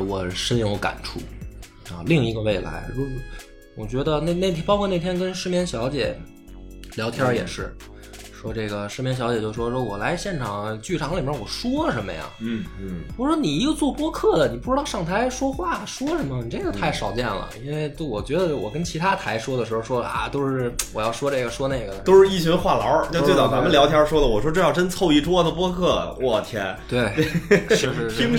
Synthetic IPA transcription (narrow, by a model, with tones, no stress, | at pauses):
wɔ˨˩ʂə˥n˧˥ŋo˧˥ka̰˨˩nʈ͡ʂʰṵ˥˩ | ɐ̰˧li˥˩ŋi˧˥ɡə˧we˥˩ɪla̰˧˥ɪɻɔ˧˥ | wɔ˨˩t͡ɕɥɛ˧˥d̪ə˧ne˥˧ne˥˩t̪ʰpɑ˥ʊkʰɔ˥˧ne˥˩ɪt̪jɛ˥nkə˥nʂɻ̩˥˧mjɛ˥˧˩nɕjɑ˧˥ʊt͡ɕjɛ̰˨˩˦ | ljɑ˧˥ʊt̪ʰjɑ˥jɛ̰˨˩ʂɻ̩˥˩ | ʂwɔ˥ʈ͡ʂe˥˩ɡə˩ʂɻ̩˥˩mjɛ˥˩nɕjɑ˧˥ʊt͡ɕjjo˥˩ʂ̩˩wɔ˥˩ʂwɔ˥wɔ˨˩la˧˥ɪɕjɛ˥˩nʈ͡ʂʰɑ˨˩ŋt͡ɕy˥˩ʈ͡ʂʰɑ˧˥ŋlʰwɔ˨˩ʂwɔ˥ʂə˧˥mə̰˧jɑ̰˩ŋ | wɔ˨˧˩ʂwɔ˥ni˨˩˧ɡə˧t͡swɔ˥˩pwɔ˥kʰɤ˥˩d̪ə˩ni˨˩p̬u˥˩ʈ͡ʂɻ̩˥t̪ɑ˥˧ʊʂɑ˥˩ŋt̪ʰa˧˥ɪʂwɔ˥xwa˥˩ʂwɔ˥ʂə˧˥nmə˧˨ni˨˩ʈ͡ʂe˥˩ɡə˩t̪ʰa˥˩ɪʂɑ˨˩ʊt͡ɕjɛ˥˩nlə̰˩i˥nwe˥˩ɪt̪wɔ˨˩t͡ɕɥɛ˧˥d̪ə˧wɔ̰˨˩kə˥nt͡ɕʰi˧˥t̪ʰa˥t̪ʰa˧˥ɪʂwɔ˥d̪ə˨ʂɻ̩˧˥xo˧ʊʂwɔ˥a̰˩t̪o˥ʊʂɻ̩˥˩wɔ˨˩jɑ˥˩ʊʂwɔ˥ʈ͡ʂɤ˥˩ɡə˩ʂwɔ˥ne˥˩ɪɡə˩o˥ʊʂɻ̩˥˧i˥˩t͡ɕʰi˧˥ə˧xwa˥˩lɑ̰˧˥t͡ɕo˥˧t̪e˥˩t͡sɑ˨˩t͡sa˧˥mə˨˧ljɑ˧˥ʊt̪ʰjɑ˥ʂwɔ˥lə˨wɔ˨˩ʂwɔ˥ʈ͡ʂɤ˥˧jɑ˥˧ʊʈ͡ʂə˥nt͡sʰo˥˧ʊi˥˩ʈ͡ʂwɔ˥d̪ə˨pwɔ˥kʰɤ˥˩wʔɔ˥˩t̪ʰjɛ˧˥nt̪we˥˩ɪ˥ʂ̩˥˧ɻ̩˥˩i˥ŋ